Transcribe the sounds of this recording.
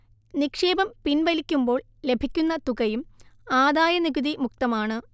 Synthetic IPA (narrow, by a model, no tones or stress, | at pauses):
nikʂeːbɐmpinʋɐlikʲːumbo̞ːɭ | le̞bʱikʲːunːɐt̪uɣɐjumaːd̪aːjɐniɡuðimuk̚t̪ɐmaːɳɨ